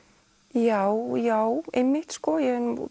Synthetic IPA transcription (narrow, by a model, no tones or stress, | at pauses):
jawjawemːɪht̪skɔjɛn